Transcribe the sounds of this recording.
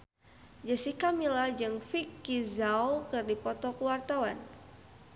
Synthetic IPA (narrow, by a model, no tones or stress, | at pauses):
d͡ʒəsikamilad͡ʒɨŋfikːizawkɨrdipɔt̪ɔkəwart̪awan